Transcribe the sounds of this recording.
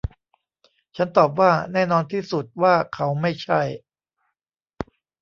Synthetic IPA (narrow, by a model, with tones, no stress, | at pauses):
t͡ɕʰa˦˥nt̪ɔː˨˩p̬̚waː˥˩nɛː˥˩nɔː˧nt̪ʰiː˥˩su˨˩t̪̚waː˥˩kʰa˦˥wma˥˩jt͡ɕʰa˥˩j